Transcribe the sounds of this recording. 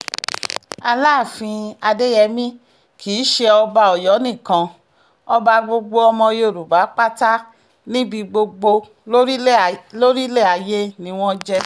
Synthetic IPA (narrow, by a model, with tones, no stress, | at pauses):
a˧laː˦˨fĩ˧a˧de˦jɛ˧mĩ˦ | kʰiː˨˦ʃe˧ɔ˧ba˧ɔ˨jɔ˨˦nĩ˦˨kã˧ | ɔ˧ba˧ɡ͡bo˧ɡ͡bo˧ɔ˧mɔ̃˧jo˦˨ɾu˨ba˨˦k͡pa˦ta˦ | nĩ˦bi˧ɡ͡bo˧ɡ͡bo˧ | o˦ɾlo˦ɾi˦le˦˨a˨je˦nĩ˦w̃ɔ̃˦d͡ʒɛ˦